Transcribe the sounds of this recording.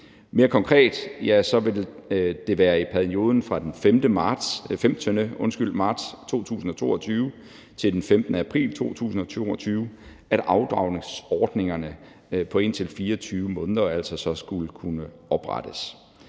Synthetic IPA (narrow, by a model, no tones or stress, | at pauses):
me̝ːɐkʰɒ̽ŋkʰʁɛ̰ːd̥jæsɒ̽ʋe̝ld̥e̝ʋæːɐipʰæɐio̝ːð̞ˠn̩fʁɑ̈d̥enfemd̥əmɑ̥femt͡sʰønəɔ̽nsɡ̥yl̰d̥mɑ̈ːd̥st͡sʰo̝̰ːt͡sʰṵːsn̩ɒ̽t͡sʰo̝̰ːɒt͡sʰyːʊ | t͡sʰe̝ld̥enfemd̥nəæpʰʁḭːlt͡sʰo̝̰ːt͡sʰṵːsn̩ɒ̽t͡sʰo̝̰ɒt͡sʰyːʊ | æɾ̥ʔɑ̈ʊd̥ʁɑ̰̈ʊ̰ne̝ŋsɒːd̥ne̝ŋɐnə | pʰɒ̽e̝n̰t͡sʰe̝lfiːɐt͡sʰyːʊəmɔ̽ːnðˠɐæl̰sɒ̽sɒ̽sɡ̥ulkʰunə | ɒ̽b̥ʁɑ̰d̥əs